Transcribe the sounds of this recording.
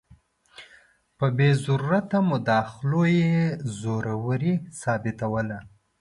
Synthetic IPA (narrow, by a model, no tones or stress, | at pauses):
pəbezaɾuɾat̪amʊd̪ɑxɪlojezoɾawəɾisɑbɪt̪awəla